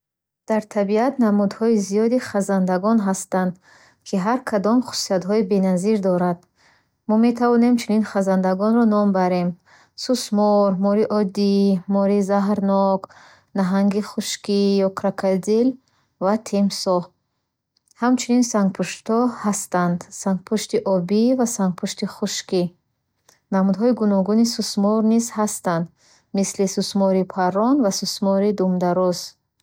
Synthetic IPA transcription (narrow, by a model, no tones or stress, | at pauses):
d̪̥aɾt̪ʰabiat̪namud̪hɔizijɔd̪iχazand̪aɡɔnɦast̪and̪ | kʰiɦaɾkʰad̪ɔmχu̥siat̪ɦɔibe̞naziɾd̪ɔɾad̪̚ | mɔme̞t̪ʰavɔne̞mt͡ʃʰuninχazand̪aɡɔnɾɔnɔmbaɾe̞m | susmɔɾmɔɾiʔɔd̪imɔɾizaɦɾnɔɡ | naɦaŋɡiχuʃkijɔkʰɾakʰad̪il | vat̪ʰemsɔ | hamt͡ʃʰuninsaŋɡ̚pʰuʃt̪ʰɔhast̪and̪saŋɡ̚pʰuʃt̪iʔɔbivasaŋɡ̚pʰuʃt̪iχuʃki | namud̪ɦɔiɡunɔɡunisusmɔɾnizhast̪and̪ | mislisusmɔɾipʰarɔnvasusmɔɾid̪umd̪aɾɔz